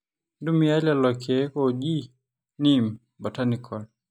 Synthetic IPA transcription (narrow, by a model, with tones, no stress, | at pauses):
ndu˦mi˨a˦lalɔkʰɛ˦kɔʄi˦ | nim | ba˨tanikʰɔ˨l